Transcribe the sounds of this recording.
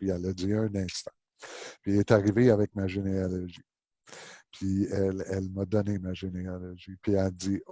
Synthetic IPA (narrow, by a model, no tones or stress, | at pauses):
piɛlːəd̪iœ̃nɛ̃ːst̪ḁ̃ | piɛlɛt̪aʁiveavɛk̚maʒenealɔʒi | pʰiɛlɛlmad̪ɔnemaʒenealɔʒipʰiɛld͡z̪i